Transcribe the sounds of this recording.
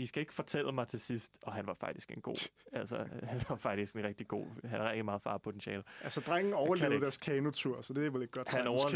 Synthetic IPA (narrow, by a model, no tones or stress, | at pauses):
isɡ̥æe̝ɡ̥fɒ̽t͡sʰel̰əmɑ̈ɪt͡sʰe̝sisd̥ɒ̽ɦænʋɑ̈fɑ̈ɡ̥̚d̥isɡ̥enɡ̥o̝̰ːæl̰səhænɑ̈fɑ̈ɡ̥d̥isɡ̥enʁɛɡ̥̚d̥iɡ̥o̝̰ːɦænæɛɡ̥d̥imɑ̈ːð̩ˠfɑ̈ːpʰo̝t͡sʰenɕɛ̰ːlælsəd̥ʁaŋ̰n̩ɒʊɐleðˠd̥æɐskʰɛːnot͡sʰuɐ̰sɒd̥eæɐʋeleɡ̥ɒ̥hænɒʊɐ